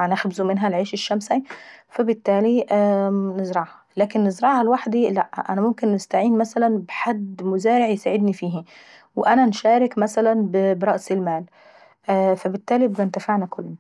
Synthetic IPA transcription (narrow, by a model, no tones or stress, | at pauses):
nɪxbɪzumɪnɦælʕeːʃɪʃːæmsifæbɪt̪ːæːliʔnɪzɾˤɑʕhɑlæːkɪnːɪzɾˤɑʕhalwaħd̪ilæʔʔæ̰næmʊmkɪnːɪst̪aʕiːnmæsælænbɪħad̪mʊzæːɾɪʕjesaːʕɪd̪nifiːhi | wɪʔænænʃæːɾɪkmæsælænbɪbɾˤɑʔsɪlmæːlː | fæbɪt̪ːæːlibɡænt̪æfaʕnækʊlː